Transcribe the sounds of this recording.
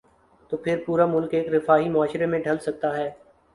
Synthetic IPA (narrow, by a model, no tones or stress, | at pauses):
t̪oːpʰɪɾpuːɾamʊlkeːkɾɪfaːɦimʊaːʃɾemẽɖʱɐlsɐk̚t̪aɦɛː